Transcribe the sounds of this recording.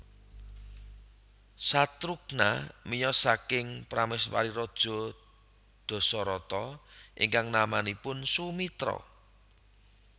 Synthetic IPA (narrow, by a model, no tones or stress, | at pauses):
sat̪ɾuk̚na̰mijɔsakɪŋpɾamɪswa̰ɾiɾɔd̥ʒ̥ɔ̤ | d̪̥ɔ̤sɔɾɔt̪ɔʔɪ̰ŋkaŋnamanipʊnsumit̪ɾɔ̰